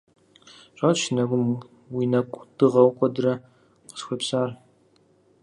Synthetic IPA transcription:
ɕʷʼatʃɪnɐɡʷʊm | wiːnɐkʷʼdɨʁɐwqʷʼɔdɨrɐ | qə̥sxʷepsaːr

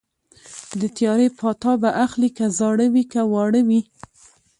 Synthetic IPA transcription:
d̪ət̪jɑɾepʰɑt̪ɑbaʔaxlikazɑɽəwikawɑɽəwi

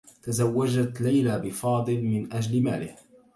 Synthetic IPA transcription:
t̪azawːad͡ʒat̪lajlabɪfɑːd̪ˤɨlmɪnʔad͡ʒlmaːlɪh

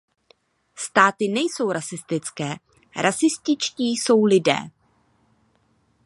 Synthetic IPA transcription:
st̪aːt̪ɪnɛjso̞wɾasɪst̪ɪt͡skɛː | ɾasɪst̪ɪt͡ʃciːso̞wlɪdɛ̰ː

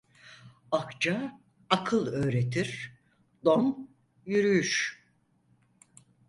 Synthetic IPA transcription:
akt͡ʃa | akʰɯlˠø̞ːɾet̪ʰiɾ̥ | d̪om | jyɾyjyʃ

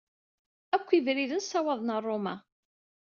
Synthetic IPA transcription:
ækʷːivɾiðənsɑwɑðˤnərˤːomæ

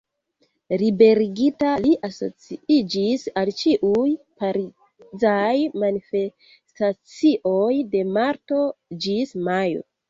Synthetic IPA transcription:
ɾibe̞ɾiɡitaliʔaso̞̰t͡siid͡ʒisalt͡ʃiʔujpaɾi | zajmanife | stat͡siʔo̞jde̞maɾto̞d͡ʒismajo̰

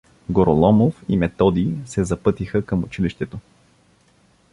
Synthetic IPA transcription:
ɡoɾolˠɔmofimɛt̪ɔd̪isɛzɐpɤt̪ixəkəmʊt͡ʃiliʃt̪ɛt̪o

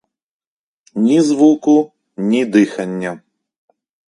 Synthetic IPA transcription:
nʲizvuku | nʲid̪ɨxɐnʲːɐ

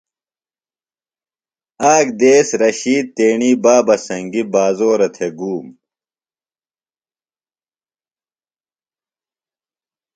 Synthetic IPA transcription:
aːkd̪eːsɾɐɕiːd̪̚t̪eːɳiːbaːbɐsɐŋɡibaːzoːɾɐt̪ʰeɡuːm

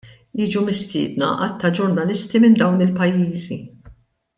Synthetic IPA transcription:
jiːd͡ʒumɪst̪ɪ̰ːd̪nɐ̰ʔɐt̪ʰːɐd͡ʒʊɾnɐlɪst̪imɪnd̪ɐwnɪlpɐjːiːzi

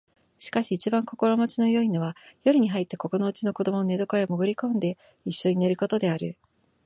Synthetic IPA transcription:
ɕi̥kaɕiːt͡ɕibãŋko̞ko̞ɾo̞mot͡ɕino̞joino̞βajo̞ɾɯ̟ɲ̟iɦait̪ːeko̞ko̞no̞ɯt͡ɕino̞ko̞d̪o̞mo̞none̞d̪o̞koeomoɡɯ̟ɾʲikõ̞nd̪e̞ | iɕːo̞ɲ̟ine̞ɾɯ̟ko̞t̪o̞d̪e̞aɾɯ̟

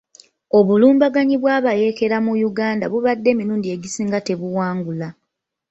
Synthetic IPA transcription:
o̞βuluːmbaɡaɲiβwaːβaje̞ke̞ɾamujuɡaːnda̰βuβadːe̞ːmiɾuːndie̞ɟisiːŋɡate̞βuwaːŋɡula

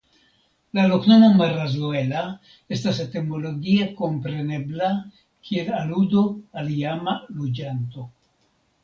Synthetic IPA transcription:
laloknonamaɾazue̞la | e̞stasetemo̞lo̞ɡiako̞mpɾe̞ne̞bla | kʰie̞laludoalijamalud͡ʒanto̞

